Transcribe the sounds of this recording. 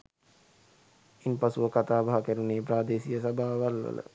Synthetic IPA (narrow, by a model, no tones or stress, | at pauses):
inpasuʋəkat̪aːbaɦakæɾuneːpɾaːd̪eːsijəsabʱaːʋalʋə̰lə̰